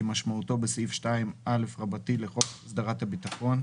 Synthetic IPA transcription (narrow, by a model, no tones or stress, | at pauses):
emaʃmauto̞besifʃtaimʔale̞fʁabatileʁo̞χsdaʁathabitaχo̞n